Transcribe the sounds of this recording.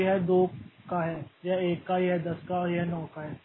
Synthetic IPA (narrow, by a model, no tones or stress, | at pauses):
ɦɛd̪okaɦɛjaeːkːaɦiɦɛd̪ɐskaɦiɦɛnɔːkaɦɛ